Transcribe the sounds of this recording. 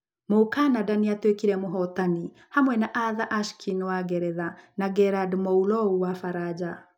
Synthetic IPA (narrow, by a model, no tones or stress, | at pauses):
mokanadaniatwekiɾɛmoɦɔtani | hamwɛnaʔaðaʔaʃkʰinwaɡɛɾɛðanaɡɛɾadmɔulɔuwafaɾad͡ʑa